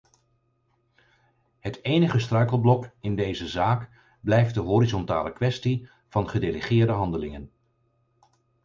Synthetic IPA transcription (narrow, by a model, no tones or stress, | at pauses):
ɦətejnəχəstrœɥkəlˠblɔkɪndejzəzaːk | blɛjft̚dəɦoːɾizɔnta̰ːləkʋɛsti | v̥ɑnχədeləχɪːɹdəɦɑndəlɪŋən